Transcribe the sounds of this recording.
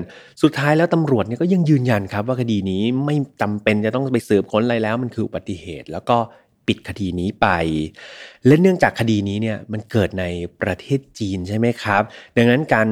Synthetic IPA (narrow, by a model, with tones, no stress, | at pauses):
su˨˩t̪ʰːaː˦˥jlɛː˦˥wt̪a˧mɾu˨˩ət̪̚ni˥˩kɔː˥˩ja˧ŋjɯː˧nja˧nkʰa˦˥p̚waː˥˩kʰa˧diː˧niː˦˥ma˥˩jt͡ɕa˧mpe˧nt͡ɕa˨˩t̪ɔ˥˩ŋpa˧jsɤː˨˩m̚kʰo˦˥nla˧jlɛː˦˥wma˧nkʰɯː˧ʔu˨ba˨˩t̪ːi˨˩hḛː˨˩t̪̚lɛː˦˥wkɔː˥˩ | pi˨˩t̪̚kʰa˧diː˧niː˦˥pa˧j | lɛ˦˥nɯ˥˩əŋt͡ɕaː˨˩kʰːa˧diː˧niː˦˥ni˥˩ɐma˧nkɤː˨˩t̪̚na˧jpɾa˧t̪ʰeː˥˩t̪̚t͡ɕiː˧nt͡ɕʰa˥˩jma˦˥jkʰɾa˦˥p̚da˧ŋna˦˥nkaː˧n